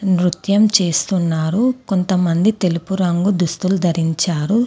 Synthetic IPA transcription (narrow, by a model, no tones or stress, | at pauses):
nɾut̪jɐmt͡ʃe̞ːst̪unːaːɾuko̞nt̪ɐmɐnd̪it̪e̞lupuɾɐŋɡud̪ust̪ulud̪ʱɐɾiɲt͡ʃaːɾu